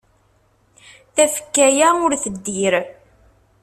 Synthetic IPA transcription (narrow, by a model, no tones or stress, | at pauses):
θæfə̥kːæjæʊɾθəd̪ːiɾ